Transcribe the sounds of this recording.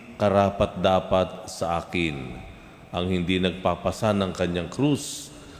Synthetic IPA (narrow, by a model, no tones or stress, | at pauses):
kɐɾaːpat̪̚d̪aːpat̪̚sɐʔaːkɪn | ʔɐŋhɪnd̪inɐɡ̚papɐsanɐŋkɐɲaŋkɾus